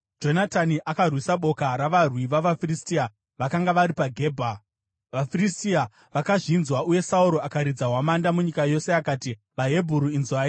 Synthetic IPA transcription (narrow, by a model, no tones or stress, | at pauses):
d͡ʒo̞nataniʔakarwisaɓo̞kaɾaʋarwiʋaʋafiristia | ʋakaŋɡaʋaɾipaɡʱe̞ːbʱa | ʋafiristia | ʋakaʐinzwauje̞sauɾo̞akaɾid͡zaɦwamandamuɲikajo̞se̞akaːti | ʋaɦe̞bʱuɾuinzwaːi